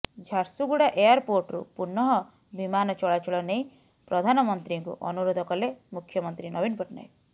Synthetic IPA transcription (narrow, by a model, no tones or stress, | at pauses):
d͡ʒʱaɾsuɡuɽaʔejaɾpoɾʈɾṵpuɾnɔɦɔ | bimanɔt͡ʃɔɭat͡ʃuɭɔnej̃ | pɾɔd̪ʱanɔmɔnt̪ɾiŋkṵʔɔnuɾod̪ʱɔkɔlemukʰːjɔmɔnt̪ɾinɔbinpɔʈna̰j